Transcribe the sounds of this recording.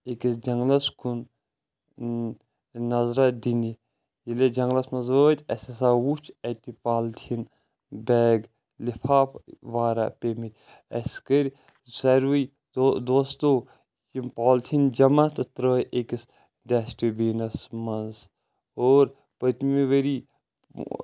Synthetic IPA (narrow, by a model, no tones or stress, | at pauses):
ekisd͡ʒɐŋɡlɐskʰun | nɐzɾɐd̪ini | jiled͡ʒɐŋɡlɐsmɐnzəːt̪ʲɐsʲɐsaːwut͡ʃʰɐt̪ipaːlt̪ʰin | bɛːɡ | lipʰaːpʋaːɾa̰pemit̪ʲ | ɐ̰skəɾʲ | sɐɾʋuj | d̪oːst̪o | kimpaːlt̪ʰind͡ʒɐmat̪ɨt̪ɾəːjekis | d̪ɛsʈibiːnɐsmɐnz | oːɾ | pət̪miʋəɾi